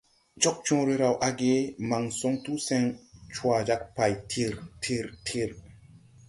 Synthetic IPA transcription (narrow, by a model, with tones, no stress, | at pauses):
d͡ʒo˦k̚t͡ʃõ˦ɾe˦ɾa˨wʔa˦ɡe˦ma˨ŋso˦ŋtu˦se˧˦ŋt͡ʃwa˨d͡ʒa˦k̚pa˨jtʰi˦ɾtʰi˦ɾtʰi˦ɾ